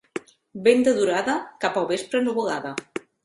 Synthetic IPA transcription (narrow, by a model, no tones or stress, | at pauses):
bend̪eðuɾaðakapawβespɾenuβoɣaða